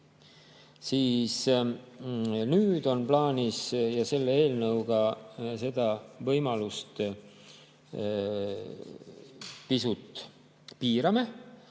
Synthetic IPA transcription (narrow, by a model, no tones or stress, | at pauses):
siːs | nyːd̪̥o̞nplɑːnʲisjɑse̞lːee̞ːlnɤwɡ̥ɑse̞d̪̥ɑvɤjmɑlust̪ | pisut̪ˑ | piːɾɑme̞